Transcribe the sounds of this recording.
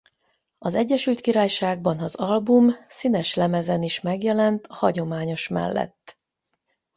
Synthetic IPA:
ɒzɛɟːɛʃylt̪kiɾaːjʃaːɡ̚bɒnɒzɒlbumsinɛʃlɛmɛzɛniʃmɛɡjɛlɛnt̪hɒɟo̞maːɲo̞ʃmɛ̰lːɛ̰t̪ː

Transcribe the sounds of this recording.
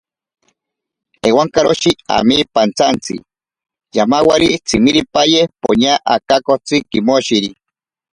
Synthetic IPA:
ewaŋkaɾoʃia̰mipant͡sant͡sḭ | jamawaɾit͡simiɾipajehpo̰ɲaʔakakot͡sikimoʃiɾi

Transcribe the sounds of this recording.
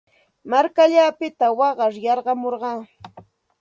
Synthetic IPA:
maɾkaʎaːpɪt̪awɑɢɑɾjɑɾɢɑmoɾɢɑː

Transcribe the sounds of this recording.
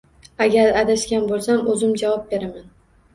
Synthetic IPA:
aɡʲaɾad̪aʃkʲanbolˠsamɵzɪmd͡ʒavɒp̚be̞ɾaman

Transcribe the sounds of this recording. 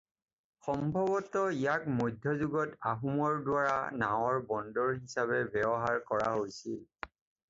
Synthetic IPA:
xɔmbʱɔβɔtɔijakmojdʱjɔzuɡɔtaɦumɔɹdwaɹanaw̃ɔɹbɔndɔɹɦisaβɛbɛbɔɦaɹkɔɹa̰ɦojsil

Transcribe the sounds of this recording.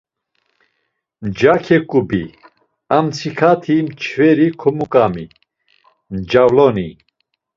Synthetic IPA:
d͡ʒakʰɛkʼubi | amt͡sʰikʰat̪ʰimt͡ʃʰvɛɾikʰɔmukʼami | md͡ʒavlɔni

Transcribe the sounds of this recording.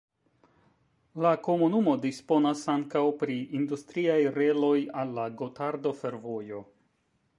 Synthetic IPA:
lako̞munumo̞dispo̞nasaŋkawpɾiindustɾiajɾe̞lo̞jalːaɡotaɾdo̞fe̞ɾvo̞jo̞

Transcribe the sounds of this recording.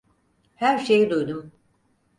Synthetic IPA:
hæɾʃejid̪ujd̪um

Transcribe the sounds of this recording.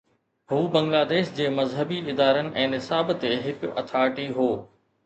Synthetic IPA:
ɦuːbɐ̃ŋɡlaːd̪eːʃd͡ʑeːmɐzɦəbiɪd̪aːɾənɪ̆ʔɛ̃ːnɪsaːbt̪eɦɪkʊɐ̰t̪ʰaːʈiɦoː

